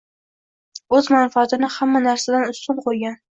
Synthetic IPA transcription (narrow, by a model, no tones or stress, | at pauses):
ɵzmanfaːt̪ɪnɪhamːanaɾsad̪anʊst̪ʊnqʰojɡʲan